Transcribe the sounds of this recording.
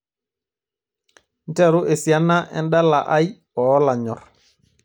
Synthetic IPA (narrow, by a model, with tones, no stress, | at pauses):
n̩˦tɛ˦˨ɾu˦ʔe˨si˨a˦nːa˦ʔɛ̰˦nda˦la˨ʔa˦j | ɔ˨˦la˨ɲɔ˨ɾ